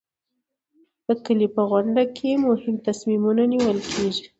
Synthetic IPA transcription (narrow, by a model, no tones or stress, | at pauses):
d̪̥əkəlipəɣwʊɳɖakʰemʊhɪmt̪asmimunaniwəlkʰeʒi